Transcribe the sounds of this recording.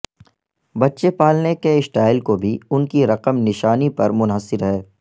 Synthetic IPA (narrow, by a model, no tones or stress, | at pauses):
bɐtːʃepaːlnekeɪsʈaːɪlkobʱiʊnkiɾɐqəmnɪʃaːnipɐɾmʊnɦəsːɪɾɦɛː